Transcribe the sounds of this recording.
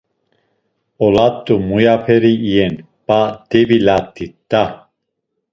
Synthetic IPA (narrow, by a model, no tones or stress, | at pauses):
ɔlat̪ʼːumujapʰɛɾiːjɛn | b̥ad̪̥ɛbilat̪ʼːia